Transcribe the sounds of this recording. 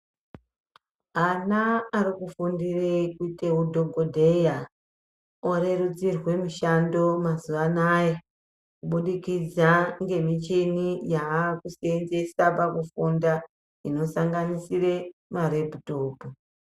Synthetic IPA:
anaːɾikufundirekuiteudʱo̞ɡʱodʱe̞ja | oɾe̞ɾud͡zirwe̞miʃando̞mazuʋanaje | kuɓuɗikid͡zaŋɡe̞mit͡ʃinijaːkusienze̞sapakufunda | ino̞saŋɡanisire̞maɾeputoːpu

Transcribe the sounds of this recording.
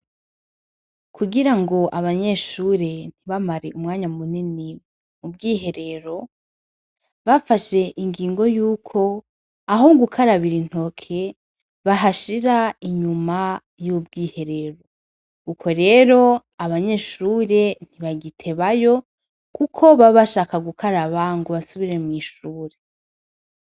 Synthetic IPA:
kʰuɡiɾaŋɡo̞ʔaβaɲe̞ʃuɾe̞n̥iβamaɾeʔumŋaːɲamunini | mub̚ɡiːɦe̞ɾe̞ɾo̞ | βafaʃe̞ʔiŋɡiːŋɡo̞juːkʰo̞ | aɦoɡukʰaɾaβiɾin̥ho̞kʰe | βaɦaʃiɾaiɲuma | jub̚ɡiːhe̞ɾe̞ɾo̞ | ukʰo̞ɾe̞ːɾo̞ | aβaɲe̞ʃuːɾe̞n̥iβaɡitʰe̞βajo̞ | kʰukʰo̞βaβaʃaːkaɡukʰaɾaβaŋɡoβasuβiɾe̞mŋiːʃuːɾe

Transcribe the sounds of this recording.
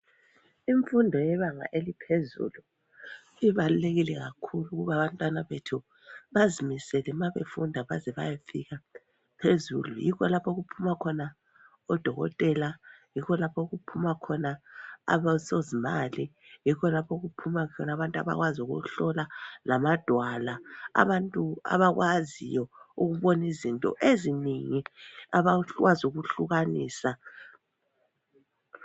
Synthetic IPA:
iɱfundʱɔjɛβaŋa̰ʔelipʰezṵlu | iβaluleɣilɛɣakʰuluɣuβaβantʼwanaβetʰu | βazimisɛlɛmaβḛfundʱaβazɛβa̰jafiɣa | pʰezṵlṵjikʰɔlapʰɔɣupʰumakʰɔna | ɔd̥ʱɔɣɔ̰tʼɛlajikɔlapʰɔɣupʰumakʰɔnaa̰βasozimali | jikʰɔlapʰoɣupʰumakʰɔnaβantʼa̰βa̰ɣwazuɣṵɬɔlalamad̥ʱwalaa̰βantʼua̰βaɣwʔazḭjɔuɣuβɔnizintʼɔ̰ʔeziniŋiaβawazuɣuɬuɣanḭːsa

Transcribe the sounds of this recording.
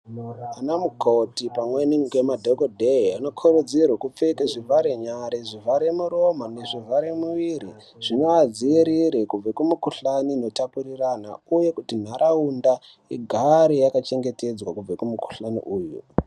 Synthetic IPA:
anamukʰotipamwenikemadʱokodʱeiano̞kʰoɾud͡zirwakup͡fekeʐiraɾeɲaɾeʐiɦaɾemuɾomaneʐiɦaɾemuʋiɾi | ʐ̥inoad͡ziiɾiɾikub͡vakumukuɬanino̞tapurirana̰uje̞kutin̤aɾʔaunda | iɡʱaɾijakat͡ʃe̞ŋɡe̞te̞d͡zwakub͡vekumuku̥ɬanḭʔuːjṵ

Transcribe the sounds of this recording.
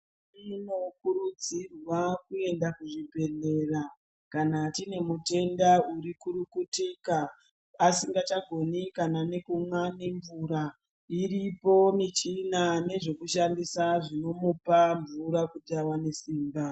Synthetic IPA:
ino̞kuɾud͡zirwakue̞ndakuʐibʱe̞ne̞ra | kanatine̞mute̞ndauɾikuɾukutikaː | siŋɡat͡ʃaɡʱo̞nikanane̞kumwane̞ɱvuɾa | iripo̞mit͡ʃinane̞ʐe̞kuʃandisaʐino̞mupaɱvuɾakudawane̞siːmba

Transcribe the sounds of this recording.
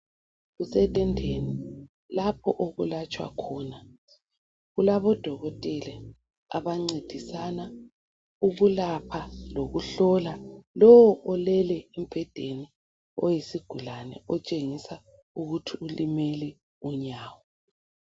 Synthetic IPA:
ɣusɛtʼɛndʱeni | lapʰɔʔoɣulat͡ʃʼwa̰kʰɔːna | ɣulaβɔd̥ʱɔɣɔtʼɛlɛ | a̰βaŋ͡ǀed̥ʱisana | uɣulapʰaloɣuɬɔlalɔwɔʔɔlɛlɛem̩b̥ʱɛd̥ʱeni | ɔjisiɡ̥ʱulanɛ̰ɔt͡ʃʼeŋisa | uɣutʰiulimɛlɛ | uɲaːwɔ

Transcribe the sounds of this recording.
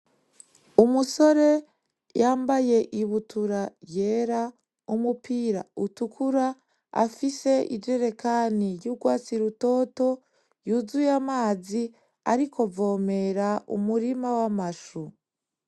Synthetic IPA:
umuso̞ɾe̞ | jaːmbaje̞ʔiβutuɾaje̞ːɾa | umupiːɾa̰utukʰuɾa | a̰fise̞ʔḭd͡ʒe̞ɾe̞kaniɾjuɡwaːt͡siɾuto̞ːto̞ | juzujamaːzi | aɾikʰo̞vo̞ːme̞ɾaṵmuɾimawamaʃu

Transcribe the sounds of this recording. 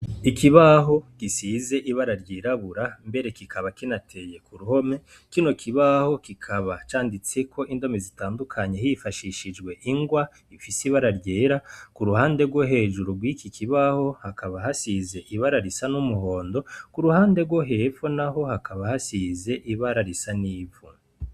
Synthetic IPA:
ikiβaɦo̞kisize̞ʔiβaɾaɾɟiːɾaβuɾambe̞ɾe̞kikʰaβakinatʰe̞je̞kuɾuho̞me̞ | kino̞kʰiβaho̞kikʰaβat͡ʃaːndit͡se̞kʰo̞ʔindo̞me̞zitaːndukʰaɲe̞hifaʃiʃid͡ʒɡwe̞ʔiŋɡwa | ifisiβaɾaɾɟeːɾakuɾuhaːnde̞ɡwoɦe̞ːʒuɾuɡwiːkikʰiβaho̞hakaβahasize̞ʔiβaɾaɾisanumuɦo̞ːndo̞kuɾuhaːnde̞ɡwoɦeːfonaɦo̞hakʰaβahasize̞ʔiβaɾaɾisaniːvu

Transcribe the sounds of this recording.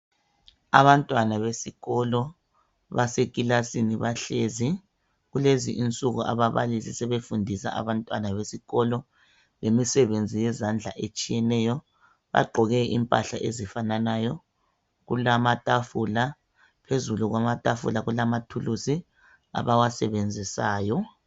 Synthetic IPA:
a̰βantʼwanaβesiɣɔlɔ | βasekʼilasiniβaɬezi | ɣuleziʔint͡sʼuɣuʔaβaβa̰lisisɛβefundʱisa̰a̰βantʼwanaβesiɣɔlɔ | lemisɛβend͡zʱijɛzand͡ɮʱa̰ʔet͡ʃʼijɛnɛjɔ | βa̰ɡ͡ǃʱɔɣɛʔḭmpʼa̰ɬa̰ʔezifananajɔ | ɣṵlamatʼafula | pʰezuluɣwamatʼafṵlaɣulamatʰulusi | a̰βawasɛβend͡zʱisaːjɔ

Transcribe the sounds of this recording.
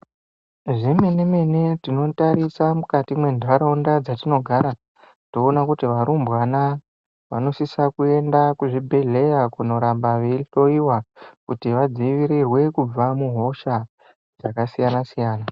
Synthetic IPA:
ʐimeneme̞netino̞taɾisamukatimwe̞ndʱʋaɾaundad͡zatino̞ɡʱaɾa | to̞ːnakutiʋaɾumbwana | ʋa̰no̞sisakue̞ndakuʐibʱe̞ɮe̞jakuno̞ɾambaʋeiɬo̞iwakutiʋad͡ziʋiɾirwe̞kub͡vamuɦo̞ʃa | d͡zakasijanasijaːna

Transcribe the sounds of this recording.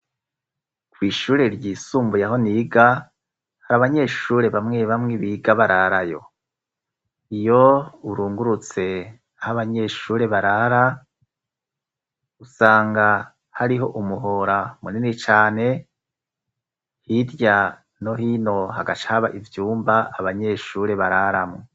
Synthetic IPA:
kwiːʃuːɾe̞ɾɟiːsuːmbujaɦo̞niːɡa | haɾaβaɲe̞ːʃuːɾe̞βamŋeβamŋeβiɡaβaɾaɾajo̞̰ | ijo̞uɾuːŋɡuɾut͡se̞ | ahaβaɲe̞ːʃuːɾe̞βaɾaɾa | usaːŋɡa | haɾiɦo̞ʔumuɦo̞ɾamuninit͡ʃaːne̞ | hiɾja | no̞hiːno̞haɡat͡ʃahaβa̰ʔivjuːmbaaβaɲe̞ːʃuːɾe̞βaɾaɾamŋe

